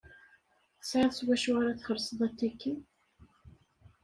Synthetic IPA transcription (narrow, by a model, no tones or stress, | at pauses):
θə̥sʕaðswæʃuʁaɾaθχəɾsˤəðˤæt̪ːækːi